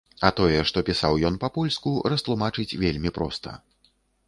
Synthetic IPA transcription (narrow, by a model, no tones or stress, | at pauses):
ɐt̪ɔjɛʂt̪ɔpʲisawjɔnpɐpɔlʲskuɾɐst̪lˠumat͡ʂɨt͡sʲvʲelʲmʲipɾɔ̰st̪ʰɐ̰